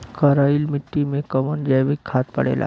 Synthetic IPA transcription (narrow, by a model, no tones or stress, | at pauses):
kəɾailmiʈːimẽkəmənd͡ʒɛʋikʰːat̪pə̰ɽḛla̰